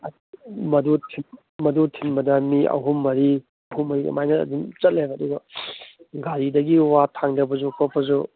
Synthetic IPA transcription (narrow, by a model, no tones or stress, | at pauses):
ɐ | mɐdutʰin | mɐdutʰinbɐdɐmiɐ̰wɦumːɐɾi | ɐwhumːɐɾiɐ̰majnɐɐ̰dint͡ʃɐt̚lebɐduɡɐ | ɡaɾidɐɡiwatʰaŋdɐbɐzukʰopʰɐzu